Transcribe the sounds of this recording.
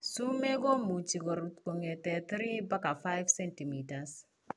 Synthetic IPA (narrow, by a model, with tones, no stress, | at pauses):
su˦mɛ˦ɡo˦mu˨t͡ʃi˨ɡɔ˨ɾu˨t̪ko˨ŋe˨tɛ˨t̪ɾi˦ba˦ka˨fa˦jfsɛ˦nti˨mi˨ta˨s